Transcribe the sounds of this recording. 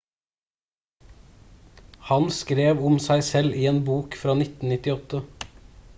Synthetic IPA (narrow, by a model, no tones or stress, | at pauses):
hɑnskɾeːʋʊmsæɪsɛlʔiːeːnbuːkfɾɑːnɪt̪n̩nɪt̪ɪɔt̪ə